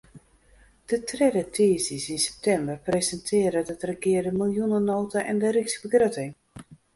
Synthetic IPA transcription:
d̥ətrɛdətʰiːzisinsɛ̥p̚tɛmbərprezɛntʰɪəɾədətrəkɪːrdəmilˠjunənoːtaʔɛndəɾiksbəɡrøtɪŋ

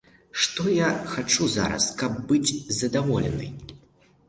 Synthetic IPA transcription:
ʂt̪ɔjaxat͡ʂuza̰ɾɐ̰skɐbːɨd͡zʲzɐd̪avɔlʲɛ̰nɨ̰j

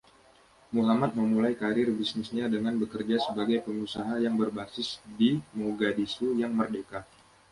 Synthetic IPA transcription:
muɦamat̪̚məmulajkaɾɪrbisnɪsɲadəŋanbəkərd͡ʒasəbaɡajpəŋusaɦajaŋbərbasɪsdimoɡadisujaŋmərdeka

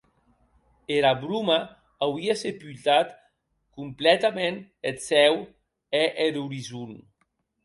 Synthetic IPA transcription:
eɾaβɾumaː | wiasepylt̪at̪ | kumplɛt̪amenet̪sɛw | eʔeɾuɾizun

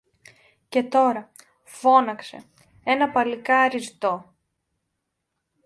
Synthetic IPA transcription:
ce̞t̪o̞ɾɐ | fo̞nɐkse̞̰ | e̞nɐpɐlikɐːɾist̪o̞

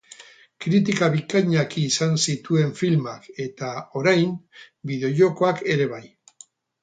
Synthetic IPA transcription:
kɾit̪̬ikaβikaɲakiːsansit̪ue̞ɱfilmake̞t̪ao̞ɾajm | biðeʝo̞ko̞ake̞ɾe̞βaj

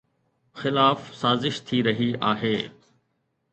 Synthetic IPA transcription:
xɪlaːfsaːzɪʃt̪ʰiɾɐɦiaːɦeː

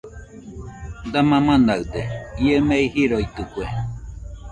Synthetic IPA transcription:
d̪amãmãnaɯd̪eiemeihiɾoit̪ɨkue

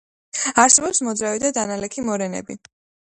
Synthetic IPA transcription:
aɾsɛbɔpsmɔd̪zɾavid̪ad̪analɛkʰimɔɾɛnɛ̰bḭ

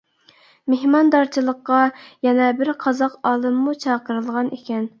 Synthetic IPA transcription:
mehmɑnd̪ɑɾt͡ʃʰilˠəqːɑjɛnɛbɪɾqʰɑzɑqɑːlˠɨmːut͡ʃʰɑqəɾɨlˠʁɑnekʲɛn

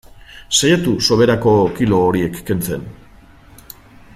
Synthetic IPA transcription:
sajat̪uso̞βe̞ɾako̞kilo̞ːɾie̞kːe̞nt͡se̞̰n

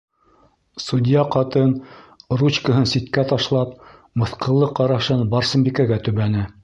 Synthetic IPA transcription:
sud̪ʲjɑqɑt̪ɤnrut͡ɕkə̆ɦɤnsit̪kæt̪ɑʃlˠɑp̚ | mɤ̆θqɤ̆lˠːɤqɑɾɑʃɤnbɑɾsɤ̆mbʲikæɡæt̪ɵβænɘ

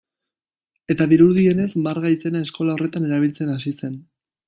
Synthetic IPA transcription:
e̞t̪aβiɾuɾðie̞ne̞zmaɾɣajt͡se̞nae̞sko̞lao̞re̞t̪ane̞ɾaβ̞ilt͡se̞nasise̞n

